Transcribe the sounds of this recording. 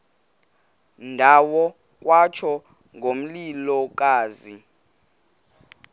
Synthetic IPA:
ndʱawɔ | k̬ʼwat͡ʃʰɔ | ŋɡʱom̩lilɔk̬ʼaːzi

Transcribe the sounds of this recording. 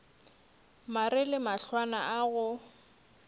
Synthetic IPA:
marɪlɪmaɬwanaʔaɣʊ

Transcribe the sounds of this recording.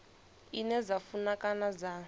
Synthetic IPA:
inɛzafunakanaza

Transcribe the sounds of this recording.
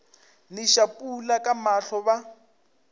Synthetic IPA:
nɪʃapʼulakʼamaɬɔba

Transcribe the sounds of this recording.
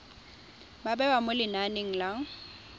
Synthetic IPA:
babɛwamʊlɪnanɪŋ̩laŋ̩

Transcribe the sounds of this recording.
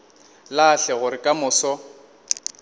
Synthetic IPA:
laɬɛɣʊɾɪkʼamʊːsɔ

